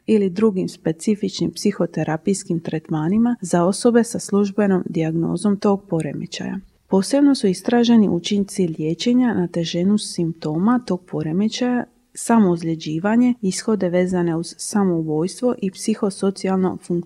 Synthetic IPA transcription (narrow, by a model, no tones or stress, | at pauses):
ilid̪ɾuɡimspe̞t̪sifit͡ʃnimpsixo̞t̪e̞ɾʔapijskimt̪ɾet̪maːnimazao̞so̞be̞saslˠuʒbe̞no̞md̪iaɡno̞̰ːzo̞mt̪o̞ːɡ̚po̞ɾe̞̰mḛt͡ɕa̰ja̰ | po̞ːse̞bno̞suist̪ɾaːʒe̞niʔut͡ʃiɲt̪silːje̞ːt͡ɕe̞ɲanat̪e̞ʒe̞nusimp̚t̪o̞ːmat̪o̞ːɡ̥̚po̞ɾemet͡ɕaja | samouzʎʲe̞d͡ʑiːʋaɲe̞isxo̞d̪e̞ʋe̞ːzane̞uz̥samo̞ubo̞ːjst̪ʋo̞ʔipsixo̞so̞t̪sialˠno̞̰fuŋk